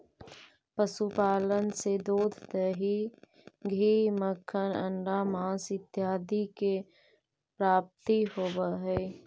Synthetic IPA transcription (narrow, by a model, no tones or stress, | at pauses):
pəsupaːlənsed̪oːd̪ʱt̪eɦi | ɡʱiːməkʰːənəɳɖamãːsɪt̪jaːd̪ike | pɾaːp̚t̪iɦoːbəɦɛ